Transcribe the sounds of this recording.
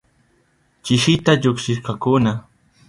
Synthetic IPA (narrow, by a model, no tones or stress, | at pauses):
t͡ʃɪʃɪt̪aʎokʃɪʃkakʊna